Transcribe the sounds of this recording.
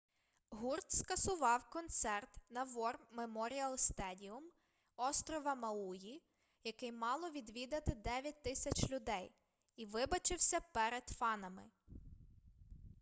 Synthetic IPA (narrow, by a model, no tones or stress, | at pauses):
ɦurt̪skɐsʊʋɑwkɔnt̪sɛrt̪nɐʋɔrmemɔɾʲiɐlˠst̪ɛdʲiʊm | ɔst̪ɾɔʋɐmɐuji | jɐkɪjmɑlˠɔʋʲid̪ʋʲid̪ɐt̪ɪd̪ɛʋʲjɐt̚ʲt̪ɪsʲɐt͡ʃlʲʊd̪ɛj | iʋɪbɐt͡ʃɪwsʲɐpɛɾed̪̥fɑnɐmɪ̰